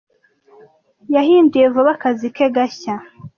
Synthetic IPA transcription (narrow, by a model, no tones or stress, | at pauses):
jahiːndijevoβakazikeɡaça